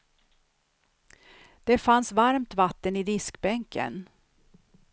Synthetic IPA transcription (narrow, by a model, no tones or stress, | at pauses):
d̪̥ɛfansvaɾmt̪vat̪ːənɪd̪ɪskbɛŋkə̰n